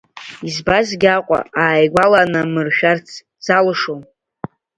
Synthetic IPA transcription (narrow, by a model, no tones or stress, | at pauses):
izbazɡʲaqʷʼa̰aːjɡʷalanɨmɨrʃᶣart͡sʰ | d͡zalɨʂon